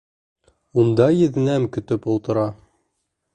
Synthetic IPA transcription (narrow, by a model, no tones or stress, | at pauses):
und̪ɑjɘ̆ðnæmkɵ̆t̪ɵpulˠt̪ɤ̆ɾɑ